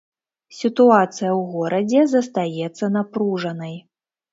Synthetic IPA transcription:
sʲit̪uat̪sɨjɐwɣɔɾɐd͡zʲɛzɐst̪ajɛt̪sːɐnapɾuʐɐnɐj

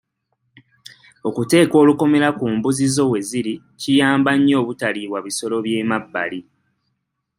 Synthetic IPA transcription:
o̞kute̞ːko̞ːluko̞me̞ɾakuːmbuzizo̞we̞ziɾi | cijaːmbaɲːo̞ːβutaliβwaβiso̞lo̞βje̞ːmabːa̰li

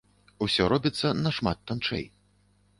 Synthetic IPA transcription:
usʲɔɾɔbʲit̪sːɐnɐʂmat̪ːant͡ʂɛ̰j

